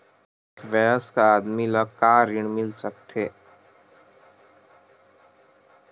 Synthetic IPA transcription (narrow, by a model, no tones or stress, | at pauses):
kʋɛːɦəskaːd̪miləɡ̚kaːɾɪɽ̃mɪlsək̚t̪ʰeː